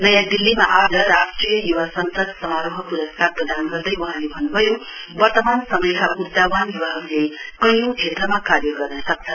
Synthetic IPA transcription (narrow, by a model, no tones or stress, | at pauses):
nʌjad̪ilːimaʔad͡zʌɾasʈrijʌjuwasʌnsʌd̪sʌmaɾoɦʌpuɾʌskarprʌd̪anɡʌrd̪ʌjwʌɦãlebʱʌnːubʱʌjo | wʌrt̪ʌmansʌmʌjkaʔut̪ːawanjuwaɦʌɾulekʌjõkʰet̪rʌmakaɾjʌɡʌrnʌsʌk̚t͡sʰʌ